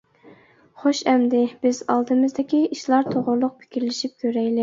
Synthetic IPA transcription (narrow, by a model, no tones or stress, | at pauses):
χoʃɛmd̪ɪb̥ɪzɑlˠd̪ɨmɨzd̪ɪkʲiiʃlˠɑɾt̪ʰoʁʊɾlˠʊq̚pʰɪ̥kʲiɾlɪʃip̚kʲʰøɾɛjlɪ